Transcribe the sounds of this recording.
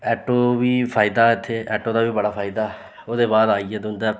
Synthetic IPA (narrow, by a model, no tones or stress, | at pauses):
ɛːʈoːʋiːpʰaːɪd̪aːɪt̪ʰːeːɛ̰ːʈoːd̪aːʋiːbəɽaːpʰaːɪd̪aː | oːd̪eːbaːd̪aːiɛːd̪ʊnd̪ɛː